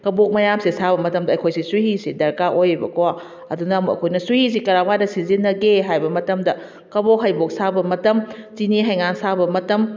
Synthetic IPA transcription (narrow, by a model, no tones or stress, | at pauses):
kɐbok̚mɐjamsisabɐmɐtɐmdɐːjkʰojsisuɦisidɐɾkaʔojibɐ̰kowa | ɐ̰dunɐmɐ̰kʰojnɐsuhis̬ikɐɾamkadɐsizinːɐɡeɦajbɐmɐtɐmdɐ | kɐbokɦɐjbok̚sabɐmɐtɐmt͡ʃiniɦajŋansabɐmɐtɐm